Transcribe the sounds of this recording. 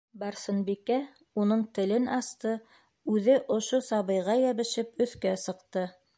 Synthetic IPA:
bɑɾsɤ̆nbikæ | unɤɴt̪ɘ̆lɘnɑst̪ɤ | ʉðɘʔŏʃosɑβɤ̆jʁɑjæβɘ̆ʃɘpɵ̆θkæsɤ̆qt̪ɤ

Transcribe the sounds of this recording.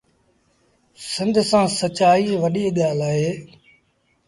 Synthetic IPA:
sɪ̃nd̪ʱsãːsət͡ʃaːiːʋəɗiːɠaːlaːɦeː

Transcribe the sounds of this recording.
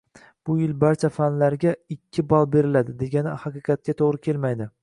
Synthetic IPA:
b̥ʊjɪlbaɾt͡ʃʰafanlaɾɡʲaɪkʲʰːɪbɒlˠbe̞ɾɪlad̪ɪd̪e̞ɡʲanɪhɑqɨqɑt̪̚kʲat̪ʰoʁɾɪkʲʰe̞lmajd̪ɪ

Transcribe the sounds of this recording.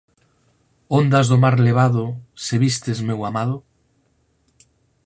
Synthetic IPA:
ond̪azðomaɾleβ̞aðʊseβist̪ezmewamaðʊ

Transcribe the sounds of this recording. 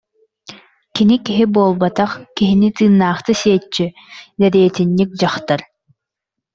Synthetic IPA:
kinikiɦibuɔlˠbat̪aχkiɦinit̪ɯːnːaːχt̪ɯsiɛt͡ʃːi | d̪ɛɾiɛt̪inːik̚d͡ʑaχt̪aɾ

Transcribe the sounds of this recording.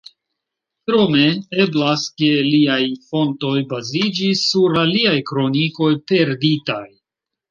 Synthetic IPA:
tɾo̞me̞e̞blaske̞liajfo̞nto̞jbazid͡ʒisuɾaliajkɾo̞niko̞jpe̞ɾditaj

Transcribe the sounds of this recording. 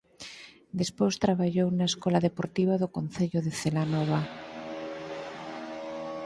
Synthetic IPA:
d̪espost̪ɾaβaʎownaeskɔlaðepoɾt̪iβ̞aðokonθeʎoðeθelanɔβ̞a

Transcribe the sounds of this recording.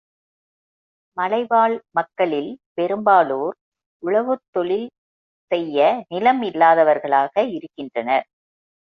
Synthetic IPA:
mɐlɐɪbaːɭmɐkːɐɭɪlpɛɾɯmbaːloːɾ | ʊɭɐʋɯt̪ːɔɭɪl | sɛjːɐnɪlɐmɪlːaːðɐʋɐɾɣɐɭaːɣɐɪɾɯkːɪndrɐnɐɾ

